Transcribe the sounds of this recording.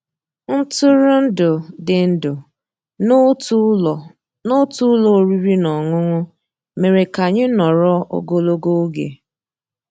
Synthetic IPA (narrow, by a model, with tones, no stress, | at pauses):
n̩˦tʊ˦ɾʊ˦n̩˦dʊ˨dɪ˨n̩˦dʊ˨˦˨ | no˦tu˦lɔ˨o˨ɾi˦ɾi˦nɔ˨ŋʊ˦ŋʷʊ˦ | me˨ɾe˨ka˨ɲɪ˦nɔ˨ɾɔ˦o̰˦ɡo˦lo˦ɡo˦ɡḛ˨